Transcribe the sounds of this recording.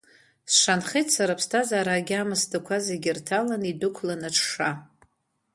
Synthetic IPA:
sʂanχijtʰsaɾapʰstʰazaːɾaɡʲɪamɨsdakʷʰazeɡʲirtʰalanidʊkʷʰlanaʈ͡ʂʰʂa

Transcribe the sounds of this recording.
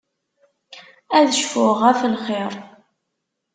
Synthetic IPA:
æðəʃfʊʁæfəlχɪɾˤ

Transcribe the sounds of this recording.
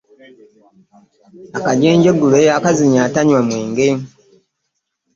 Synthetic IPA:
akaɟeːɲɟeɡulejaːkaziɲaːtaɲwamweːŋɡeːm

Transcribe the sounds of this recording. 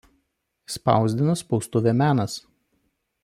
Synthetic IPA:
spɑ̰ˑʊzʲd̪ʲɪnɐspɔʊst̪ʊʋʲɛmʲæːnɐs

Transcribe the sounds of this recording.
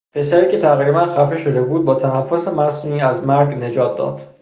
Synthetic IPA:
pʰe̞sæɾiːcʰe̞t̪ʰæɣɾibænxæfeʃo̞d̪e̞buːd̪̚bɒːt̪ʰænæfːosemæsuniːæzmæɾɡne̞d͡ʒɒːt̪̚ʰd̪ɒ̰ːd̪̥

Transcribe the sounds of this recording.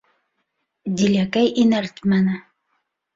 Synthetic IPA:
d̪ʲilʲækæjʔinælt̪mænɘ

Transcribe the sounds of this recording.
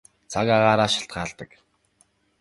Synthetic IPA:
t͡sʰakaʁaːɾaːʃḁɬt̪̚ɢaːɮt̪ə̆k

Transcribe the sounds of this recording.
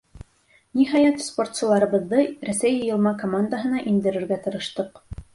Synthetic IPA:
niɦɑjɑt̪spo̞rt̪sɤ̆lˠɑɾɤ̆βɤ̆ðːɤræsæjjɤ̆lˠmɑkomand̪əɦɤ̆nɑʔind̪ɘ̆ɾɘ̆ɾɡæt̪ɤ̆ɾɤ̆ʃt̪ɤq

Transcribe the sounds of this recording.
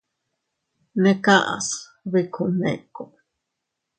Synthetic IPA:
nekaʔa̰s | βikʰunḛko

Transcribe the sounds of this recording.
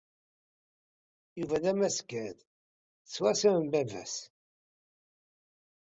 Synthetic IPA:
juvæðæmæskæð | t͡sːwæsæmbævæ̰s

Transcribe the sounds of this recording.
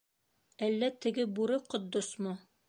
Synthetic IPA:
ælːæt̪ɘ̆ɡɘbuɾɘqŏt̪̚ːosmo

